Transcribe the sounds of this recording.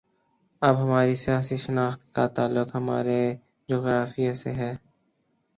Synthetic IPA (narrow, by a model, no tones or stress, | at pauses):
ɐbɦɐmaːɾisijaːsiʃənaːxt̪kat̪aːlːʊkɦɐma̰ːɾe | d͡ʒoːɣɾaːfijasḛɦɛː